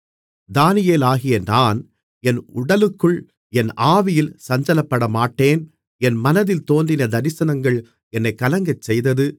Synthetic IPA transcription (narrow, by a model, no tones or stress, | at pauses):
d̪aːnɪjeːlaːɣɪjɐnaːn | ɛnʊɽɐlɯkːɯɭ | ɛnaːʋɪjɪlsɐɲd͡ʒɐlɐpːɐɽɐmaːʈːeːn | ɛnmɐnɐðɪlt̪oːnd̪ɪnɐd̪ɐɾɪsɐnɐŋɡɐɭ | ɛnːɐɪkːɐlɐŋɡɐt͡ʃsɛjðɐðɯ